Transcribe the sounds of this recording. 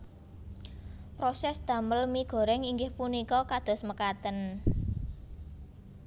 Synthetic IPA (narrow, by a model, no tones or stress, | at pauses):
pɾosɛsd̪̥ä̤məlmiɡ̥ɔ̤ɾɛŋiŋɡɪhpunikɔkad̪̥ɔ̤sməkat̪ən